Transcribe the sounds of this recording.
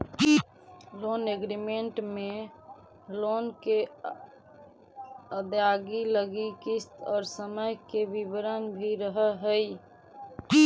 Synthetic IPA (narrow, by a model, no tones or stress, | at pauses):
loneɡɾimeɳʈme | lonke | əd̪aɡiləɡikist̪ɔːɾsəməjkebibəɾənbʱiɾəɦəɦəj